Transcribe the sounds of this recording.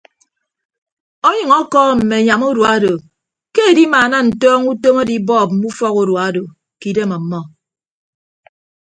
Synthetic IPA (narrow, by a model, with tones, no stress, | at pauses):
o˦ɲɨ˨ŋɔ˦kɔ˦˨m̩˨me˨ɲa˨mu˦du˨a˦do˨ | ke˦e˨di˦maː˨na˦n̩˨tɔː˦ŋu˦to˦mo˦di˦bɔː˦˨p̚m̩˨mu˦fɔ˦ku˦ɾwa˨˦do˨ | ki˨de˦mɔ˨m̩˦mːɔ˦